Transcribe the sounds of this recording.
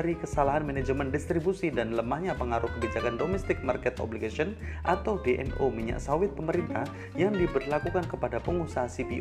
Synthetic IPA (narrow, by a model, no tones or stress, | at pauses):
ɾikəsalaɦanmɛnɛd͡ʒəmɛndist̪ɾibusidanləmahɲapəŋaɾʊhkəbid͡ʒakandomɛst̪ɪk̚markɛt̪ɔ̰bliɡasiɔnʔat̪awdeʔɛ̰nomiɲa̰ʔsawɪt̪̚pəməɾint̪ah | jaŋdibərlakukankəpadapəŋusaɦasipiʔ